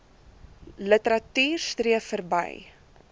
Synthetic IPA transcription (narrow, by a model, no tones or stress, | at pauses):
lətəɾɐtyːrstriəfərbə̰j